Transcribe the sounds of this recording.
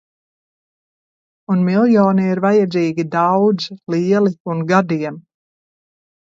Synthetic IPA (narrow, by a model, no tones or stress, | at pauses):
unmilˠjɔːniiɾvajad̪ziːɡid̪awd̪ziliɛliunɡad̪iɛm